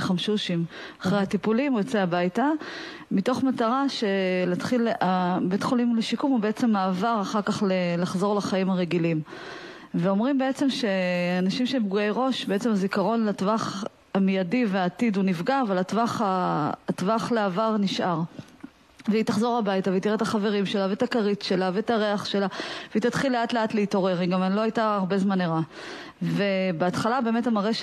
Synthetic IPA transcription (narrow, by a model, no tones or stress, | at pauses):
χamʃuʃimaχʁejhatipulimujot͡seabajta | mito̞χmataʁaʃe̞laat̪χilabetχolimleʃikumhubeet͡se̞mːaːvaʁaχaʁkaχlelaχzo̞ʁlaχaimaʁe̞ɡilim | veo̞mʁimbe̞et͡se̞mʃe̞anaʃimʃemp̚ɡuejʁo̞ʃbeet͡se̞mazikaʁo̞nlatvaχ | amijadiveaːtidunifɡaːvalatvaχaːtvaχleavaʁniʃʔaʁ | veit̪aχzo̞ʁabajtaveitiʁet̪aχave̞ʁimʃe̞lavetakaʁitʃe̞lavetaʁeaχʃe̞laveit̪atχilːe̞atleatleito̞ʁe̞ʁiɡamanlo̞ajtaːʁbe̞zmaniʁa | ve̞beatχalabe̞ːme̞tamaʁeʃ